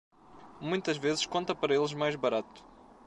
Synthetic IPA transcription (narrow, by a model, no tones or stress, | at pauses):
mũj̃t̪ɐʒvezɨʃkõnt̪ɐpɐɾɐelˠʒmajʒβɐɾat̪u̥